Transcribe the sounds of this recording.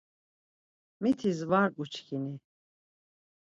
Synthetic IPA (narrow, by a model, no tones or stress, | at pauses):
mit̪ʰizvaɾut͡ʃʰkʰini